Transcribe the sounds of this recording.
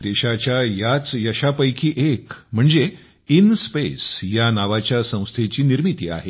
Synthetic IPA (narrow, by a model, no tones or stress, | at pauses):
d̪eɕat͡ɕjajat͡sjəɕapəjkʰiːʔekm̤əɳd͡ze | inspesjanaʋat͡ɕjasə̃w̃st̪ʰet͡ɕiːniɾmit̪iːa̰ɦe